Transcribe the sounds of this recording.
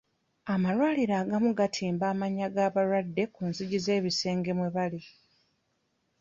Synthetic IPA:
amalwaːliɾaːɡamuɡatʰiːmbaːmaɲaɡaːβaɾwadːe̞kunziɟize̞ːβise̞ːŋɡe̞mweβali

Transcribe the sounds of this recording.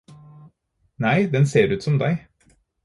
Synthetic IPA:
næɪd̪ɛnseːɾʉːt̪sɔmd̪æɪ

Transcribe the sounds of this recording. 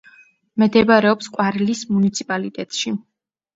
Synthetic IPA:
mɛd̪ɛbaɾɛɔpsqʼwaɾlismunit̪sʰipʼalit̪ʼɛt̪ʼʃi

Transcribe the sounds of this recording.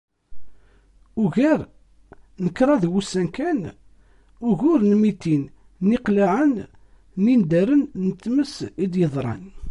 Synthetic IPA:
ʊɣæɾ | nəkːɾˤɑðwusænkæn | ʊʝʊɾnmit̪in | niqlaʕən | nind̪æɾənnət̪ːməsid̪jəðˤɾˤɑ̰n

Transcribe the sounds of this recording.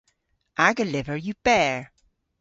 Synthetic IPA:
ʔaɹɡəlɪvə˞jɨb̥ɛɹ

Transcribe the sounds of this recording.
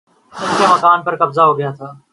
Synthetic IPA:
ɪ̃nkjaːməkaːnpəɾkəbzaːɦoːɡɪjaːt̪ʰaː

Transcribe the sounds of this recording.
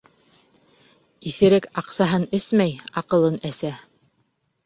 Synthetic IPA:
iθɘ̆ɾɘkɑqsɑɦɤnɘsmæjɑqɤ̆lˠɤnæsæ

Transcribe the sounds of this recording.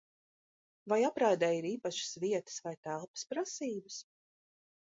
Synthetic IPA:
vajapɾaːd̪ɛːiɾiːpaʃɪ̥sviɛt̪ə̥svajt̪ælˠpə̥spɾasiːbɨs

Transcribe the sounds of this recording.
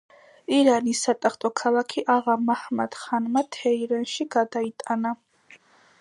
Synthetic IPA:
iɾanisːat̪ʼaχt̪ʼɔkʰalˠakʰiʔaʁamahmad̪̥χanmat̪ʰɛiɾɛnʃiɡad̪ait̪ʼana

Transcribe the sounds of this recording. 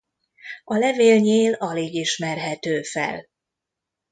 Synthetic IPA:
ɒlɛveːlɲeːlɒleːɡiʃmɛrɦɛt̪øːfɛ̰l

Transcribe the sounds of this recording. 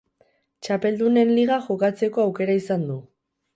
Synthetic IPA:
t͡ʃape̞ld̪une̞nliɣ̞aʝo̞kat͡se̞ko̞awke̞ɾaisand̪u

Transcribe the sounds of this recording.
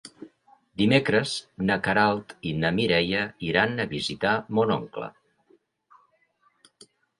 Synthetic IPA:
d̪imekɾəznəkəɾalˠt̪inəmiɾɛjəiɾanəβizit̪amono̰ŋklə̰

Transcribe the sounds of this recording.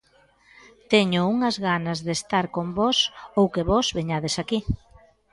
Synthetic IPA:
t̪eɲʊuŋɐzɣanɐzðest̪aɾkombɔsowkeβɔzβeɲað̞esaki

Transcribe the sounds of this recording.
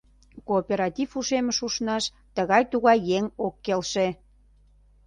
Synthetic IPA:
koːpʲeɾɑt̪ʲifuʃeməʃuʃnɑʃ | t̪əɣɑjt̪uɣɑjːeŋokːelʃe

